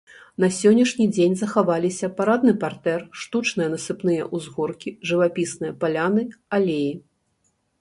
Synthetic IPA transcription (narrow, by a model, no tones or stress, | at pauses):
n̪ɐsʲɔnʲːɐʂnʲid͡zʲenʲzɐxavalʲisʲɐpaɾad̪̚nɨpart̪ɛrʂt̪ut͡ʂnɨjɐnɐsɨpnɨjɐ̰ʔuzɣɔrkʲiʐɨvapʲisnɨjɐpalʲanɨalʲeji